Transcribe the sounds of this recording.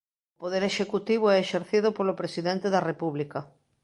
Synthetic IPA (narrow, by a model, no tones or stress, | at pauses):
opoðeɾeʃekut̪iβ̞oɛeʃeɾθið̞opolopɾesiðent̪eðɐrepuβlikɐ